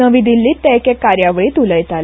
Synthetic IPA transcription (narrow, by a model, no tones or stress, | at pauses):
əʋid̪ʱilːiːt̪ɛkekaɾjaʋəɭiːt̪uləjt̪al